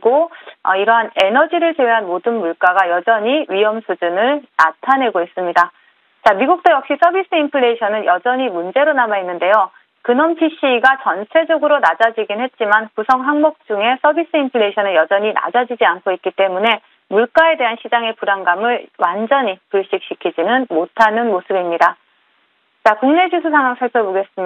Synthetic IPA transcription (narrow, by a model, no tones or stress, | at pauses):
ɡoʌ̰iɾʌɦane̞nʌd͡ʑiɾɯɭt͡ɕewɥeɦanmodɯnmuɭk͈aɡajʌd͡ʑʌɲiɥijʌmsʰud͡ʑunɯɭnatʰane̞ɡois͈ɯmɲida | t͡ɕamiɡuk̚t͈ojʌk̚ɕ͈is͈ʰʌbis͈ɯimpʰɯɭːe̞iɕʰʌnɯnjʌd͡ʑʌɲimund͡ʑe̞ɾonamainːɯnde̞jo | kɯnʌmpʰiɕ͈ʰiɡat͡ɕʌnt͡ɕʰe̞d͡ʑʌɡɯɾonad͡ʑad͡ʑiɡinɦe̞t̚t͡ɕ͈imankusʰʌŋɸaŋmʌk̚t͡ɕ͈uŋe̞sʰʌbis͈ɯimpʰɯɭːeɕʰʌnɯɭjʌd͡ʑʌɲina̰d͡ʑad͡ʑid͡ʑiankʰoit̚k͈it͈e̞mune̞ | muɭk͈ae̞de̞ɦanɕʰid͡ʑaŋe̞puɾaŋɡamɯɭwand͡ʑʌɲipuɭɕ͈ik̚ɕ͈ikʰid͡ʑinɯnmotʰanɯnmosʰɯbimɲida | t͡ɕakuŋne̞d͡ʑusʰus̬ʰaŋwaŋsʰaɭpʰjʌboɡe̞s͈ɯm